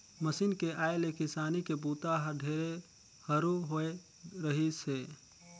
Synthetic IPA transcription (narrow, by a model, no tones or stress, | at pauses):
məsinkeʔaelekisanikebut̪aɦəɾɖʱeɾe | həɾuɦoe | ɾəɦise